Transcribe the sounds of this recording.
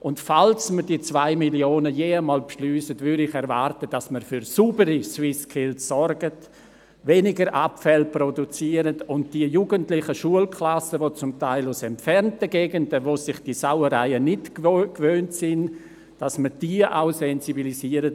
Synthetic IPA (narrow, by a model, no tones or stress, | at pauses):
ʔʊntfalsməɾdiːt͡svaɪmiljoːnəjeːəmɔːlpʃlyːsətvʏɾdɪχɛɾvaːɾtəd̥asməɾfyɾsuːbəɾiswɪskʰɪlsːɔɾɡət | venɪɡəɾʔapfɛlprodut͡siəɾətʊntd̥iəjuɡəntlɪχəʃuəlkʰlasəvot͡sʊmtaɪlʊsɛmpfɛɾntəɡeːɡəndəvoːsɪχd̥isawəɾaɪənɪtkkvøːntsɪn | d̥asməd̥iəʔaʊsɛnzibilisiːəɾət